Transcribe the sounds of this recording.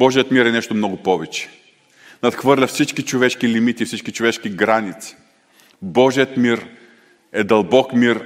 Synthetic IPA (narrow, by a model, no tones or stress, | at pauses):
bɔʒijət̪miɾɛnɛʃt̪omnɔɡʊpɔvɛt͡ʃɛ̥ | nɐt̪xvɤɾlʲɐfsit͡ʃkit͡ʃovɛʃkilimit̪ifsit͡ʃkit͡ʃovɛʃkiɡɾanit̪si̥ | bɔʒijət̪miɾ | ɛd̪ɐlˠbɔkmiɾ